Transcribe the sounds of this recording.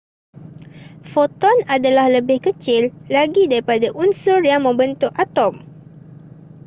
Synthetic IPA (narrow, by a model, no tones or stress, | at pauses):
fot̪ɔnadalahləbɪhkət͡ʃɪlːaɡidaɾipadaʔunsʊrjamə̃mbənt̪ʊʔat̪ɔm